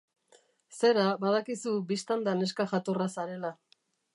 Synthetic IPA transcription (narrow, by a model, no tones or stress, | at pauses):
se̞ɾabað̞akisubist̪and̪ane̞skaʝat̪orasaɾe̞la